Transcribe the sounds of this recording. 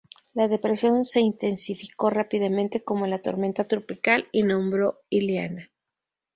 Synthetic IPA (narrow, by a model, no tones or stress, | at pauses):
laðe̞pɾe̞sjo̞nse̞int̪e̞nsifiko̞rapiðamẽ̞nt̪e̞ko̞mo̞lat̪o̞ɾme̞nt̪at̪ɾopikalinõ̞mbɾo̞ | iljana